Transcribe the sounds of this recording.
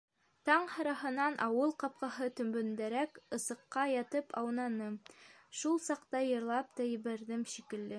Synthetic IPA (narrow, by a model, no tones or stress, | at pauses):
t̪ɑɴhɑ̆ɾɑɦɤ̆nɑnʔɑwɤlˠqɑp̚qɑɦɤt̪ɵ̆mbɵ̆nd̪æɾækɤ̆sɤ̆qːɑjɑt̪ɤpʰɑwnɑnɤ | ʃulˠsɑqt̪ɑjɤ̆ɾlˠɑp̚t̪ɑjɘ̆βæɾðɘmʃikɘ̆lːɘ